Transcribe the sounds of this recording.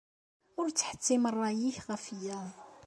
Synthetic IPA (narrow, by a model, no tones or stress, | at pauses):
ʊɾt͡sːħə̥t͡sːimərˤːɑjiçʁæfijæ